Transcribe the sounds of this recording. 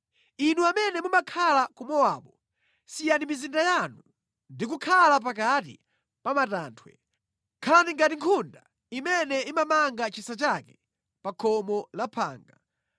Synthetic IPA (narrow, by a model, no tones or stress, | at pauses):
inuamɛnɛmumakʰalakumɔwaːɓɔ | sijanimizindajanu | ndikukʰalap̬ak̬atḭ | pamataːntʰwɛ̰ | kʰalaniŋɡatiŋkʰunda | imɛnɛimamaŋɡat͡ʃisat͡ʃakɛ̥ | pakʰɔmɔlapʰa̰ːŋɡa̰